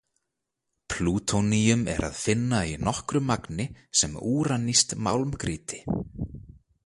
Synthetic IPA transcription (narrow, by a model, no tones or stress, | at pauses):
pʰluːt̪ʰonijʏmɛ̰ɾʔa̰ðfɪnːainɔhkɾʏmaknɪsɛmuːɾanːist̪ma̰wlmkɾiːt̪ɪ̥